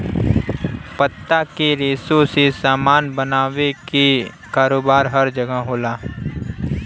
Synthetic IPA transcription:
pət̪ːakeɾeːsõsesaːmaːnbənaːʋeki | kaːɾoːbaːɾɦɐɾd͡ʒəɡəɦɦoːlaː

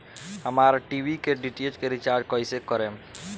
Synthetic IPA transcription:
ɦəmaɾʈibʱikeɖiʈed͡ʒkeɾit͡ʃaɾd͡ʒkɔisekəɾem

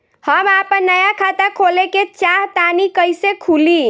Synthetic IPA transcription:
həmapənːəjakʰat̪akʰoleket͡ʃaɦt̪anikəjsekʰuli

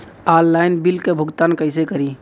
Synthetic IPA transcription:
aːlːaːɪnbɪlkebʱʊɡt̪aːnkəɪsekəɾi

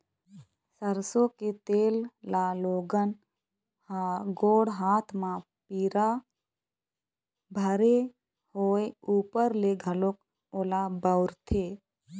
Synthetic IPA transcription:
səɾsõket̪eːllaːloːɡən | ɡoːɽɦaːt̪ʰmã | piːɾa | bʱəɾe | hoːeuːpəɾleɡʱəlok | oːlabəʊɾt̪ʰeː

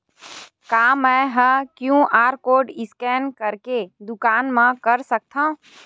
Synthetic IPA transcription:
kaːmɛ̃ɦə̃kjũʔaːɾkoːɖɪskɛːnkəɾked̪ʊkaːnmãkəɾsək̚t̪ʰã

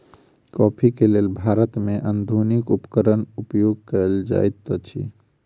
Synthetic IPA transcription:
kɔpʰikelelbʱaɾət̪meʔənd̪ʱunikupkəɾənupjoɡ̚kəld͡ʒa̰jt̪t͡ʃʰḭ

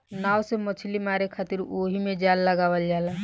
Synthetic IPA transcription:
nawsemət͡ʃʰlimaɾekʰat̪iɾoɦimed͡ʒalːəɡaʋəld͡ʒala

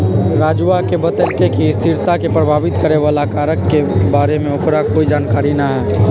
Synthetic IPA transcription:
ɾaːd͡ʒuakebət̪əlkekiɪst̪ʰɪɾt̪akepɾɐbʱaːʋɪt̪kəɾeʋaːlakaːɾəkːebaːɾemẽʊkɾakoːid͡ʒaːnkaːɾinaɦɛː

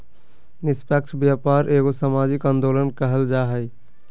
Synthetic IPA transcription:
nɪspak̚t͡ʃʰbjaːpaːɾʔeːɡosamaːd͡ʒɪkãːnd̪oːlənkəɦəld͡ʒaːɦɛj

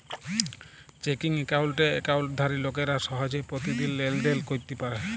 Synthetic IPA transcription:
t͡ʃekiŋekawlʈeḛkawlʈ̚d̪ʱaɾilok̬eɾaʃɔɦɔd͡ʒepɾot̪id̪ilːelɖelkoɾt̪epaɾe

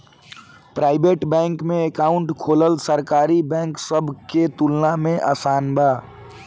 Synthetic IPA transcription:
pɾaːɪbeːʈbɛ̃ːŋkmẽekaːʊ̃ɳʈkʰoːləlsəɾkaːɾibɛ̃ːŋksəbʱket̪ulnamẽʔaːsaːnbaː

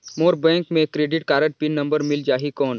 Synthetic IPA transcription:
moːɾbɛ̃ːŋkmẽkɾeːɖɪʈkaːɾə̃ʈ̚pɪnːɐ̃mbəɾmɪld͡ʒaːɦikɔːn

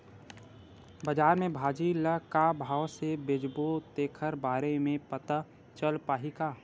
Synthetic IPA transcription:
bəd͡ʒaːɾmẽbʱaːd͡ʒiləkabʱaːʋsebɪd͡ʒbot̪eːkʰəɾbaːɾemẽpət̪a | t͡ʃəlpaːɦikaː

